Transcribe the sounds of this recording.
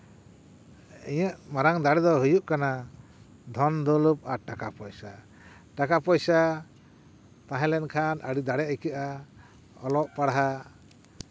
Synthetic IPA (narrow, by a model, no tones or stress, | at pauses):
iɲəʔmaɾaŋd̪aɽɛd̪ɔɦujuʔkana | d̪ʱɔnd̪ɔlup̚aɾʈakapɔjsa | ʈakapɔjsa | t̪ãɦɛ̃lɛnkʰanʔəɽid̪aɽɛəjkəʔa | ɔlɔʔpaɽaɦa